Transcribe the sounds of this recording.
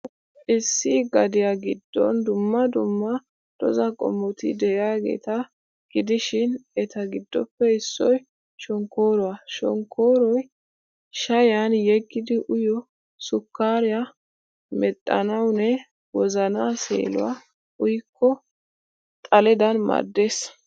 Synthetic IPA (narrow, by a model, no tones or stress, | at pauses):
ɪsːiɡɐd̪ɪjɐɡɪd̪ːɔ̰nd̪ʊmːɐd̪ʊmːɐ | d̪̥ɔ̰zɐkʼɔ̰mːɔt̪ɪ̰d̪ɛaːɡḛːt̪ɐ | ɡ̥ɪd̪ɪʃɪnɛt̪ɐɡɪd̪ːɔpːɛɪsːɔj | ʃɔŋkːoːɾɔwɐʃɔ̰ŋkʰːoːɾɔj | ʃɐjanjɛɡːɪd̪ɪʔʊjɔ | sʊkːaːɾɪjɐ | mɛt̪ʼːɐ̰nɐwnɛ | wɔzɐnaːsḛːlʊ̰wa | ʊjkʰːɔ | t̪ʼɐlɛd̪ɐnmɐ̰d̪ːe̞ːs